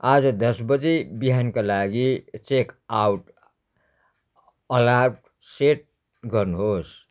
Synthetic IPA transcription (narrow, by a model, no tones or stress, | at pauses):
ad͡zʌd̪ʌsbʌd͡zebiɦankalaɡit͡ʃekawʈ | əlaʈ | seʈ̚ | ɡʌɾnuɦos